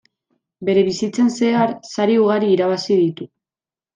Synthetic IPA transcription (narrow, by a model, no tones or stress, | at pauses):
be̞ɾe̞βisit͡se̞nse̞aɾsaɾiuɣaɾiːɾaβasiðit̪u